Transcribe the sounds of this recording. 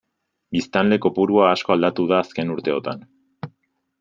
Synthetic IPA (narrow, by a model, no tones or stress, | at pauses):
bist̪anle̞ko̞puɾuaːsko̞ald̪at̪uðaːske̞nuɾt̪e̞o̞t̪an